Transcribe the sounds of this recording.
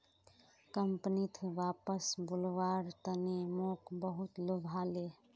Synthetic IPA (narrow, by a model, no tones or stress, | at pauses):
kəmpnit̪ʰʋaːpəsbʊlʋaːɾt̪ənemoːkbəɦʊt̪lubʱaːle